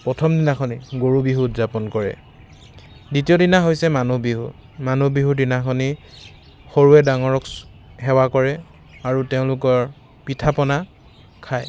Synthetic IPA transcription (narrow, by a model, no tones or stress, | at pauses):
pɹɔtʰɔmdinakʰɔniɡoɹubiɦuːtzapɔnkɔɹɛ̰ | ditijɔdinaɦojsɛmanubiɦṵ | manubiɦudinakʰɔni | xoɹuɛdaŋɔɹɔk | ɦɛwakɔɹɛ | aɹuteʊ̃lʊkɔɹ | pitʰapɔna | kʰaj